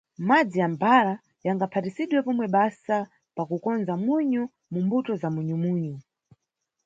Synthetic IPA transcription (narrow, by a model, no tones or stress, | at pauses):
mad͡zijambaɾa | jaŋɡapʰatisiɗwɛpɔmwɛɓasa | pakukɔnzamwuɲu | mumbutɔzamuɲumuːɲu